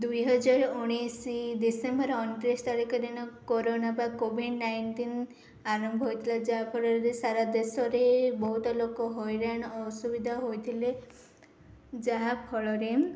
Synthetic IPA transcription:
d̪ujɦɔd͡ʒaɾuɽ̃isid̪isembɔɾɔnʈɾest̪aɽikɔd̪inɔkoɾonabakobʱiɖnajnʈin | aɾɔmbʱɔɦojt̪ʰilad͡ʒaɦapʰɔɭɔɾeɾesaɾad̪esɔɾebɔɦut̪ɔlokɔɦojɾaɽ̃ɔɔsubid̪ʱaɦojt̪ʰile | d͡ʒaɦapʰɔɭɔɾe

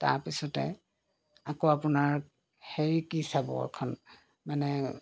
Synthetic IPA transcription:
ta̰ɹpisɔtɛ̰ | akoapunaɹ | heɹikisabɔ̰ɔ̰ɹkʰɔn | manɛ

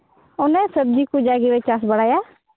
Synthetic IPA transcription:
ʊnɛ̃səb̚d͡ʒiːkud͡ʒaːɡiʋet͡ʃas̬bəɽaːjaː

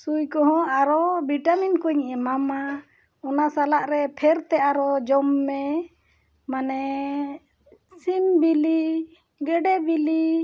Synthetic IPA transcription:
sujkɔɦɔ̃aɾɔbiʈaminkuɲiʔɛmama | ɔnasalaʔɾɛpʰɛɾt̪ɛaɾɔd͡ʒɔmːɛ | manɛ | sinbili | ɡɛɖɛbili

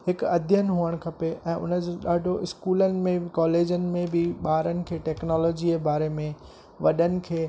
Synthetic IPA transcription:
hɪkɐd̪ʱjənɪɦuəɽ̃kʰɐpeʔɛ̃ːʔʊ̰nəd͡ʑoɗaːɖʱoɪskuːlənɪ̆mẽkɔːleːd͡ʑənɪ̆mẽbɪɓaːɾənɪ̆kʰeːʈɛːknɔːlɔːd͡ʑiebaːɾemẽ | ʋɐɗənɪ̆kʰeː

